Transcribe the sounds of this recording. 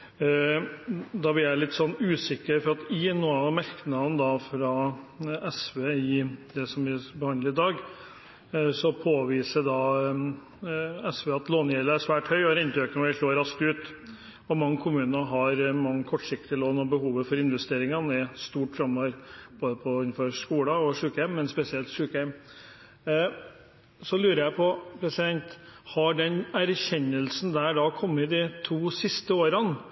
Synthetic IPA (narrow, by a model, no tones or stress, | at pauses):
d̪ɑʋɪæɪlɪt̪ːsɔnːʉːsɪkːəɾfɔɾɑt̪ɪnuːɑmæɾknɑnd̪ɑfɾɑ | ɛsʋeːɪd̪ɛsɔmʋɪbəhɑnd̪əɾɪd̪ɑːɡ | sɔpʰoːʋiːsəɖɑ | ɛsʋeːɑt̪loːnjeːləæʂʋæːʈhœʏɔæɾɪnt̪øːknəɪʂloːɾɑskt̪ʉːt̪ | ɔmɑŋːəkʰʊmʉːnəɦɑɾmɑŋːəkʰɔʈʂɪk̚t̪ɪəloːnɔbəhuːʋəfɔɾɪnʋɛst̪eːɾɪŋɑnɪst̪uːʈfɾɑmːoːʋəɾboːd̪əpʰɔʏnfɔɾʂkuːlɑɔʂʉːkɛmːɛnspɛsɪɛlt̪ʂʉːkɛm | sɔlʉːɾəɾjæɪpʰɔpʰɾɛsɪd̪ɛnt̪hɑɖɛnæɾçɛnːəlsn̩d̪æɖɑkʰɔmːɪd̪ɪt̪ʰuːsɪst̪əoːɾən